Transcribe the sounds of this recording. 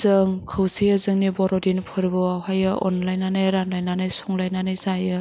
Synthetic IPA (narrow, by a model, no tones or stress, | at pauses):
zɯŋkʰɯwsijɯzɯŋnibɔɾɔdinpʰɯɾbɯawɦajɯʔɔnlajnanajɾanlajnanajsɔŋlajnanɯjzajɯ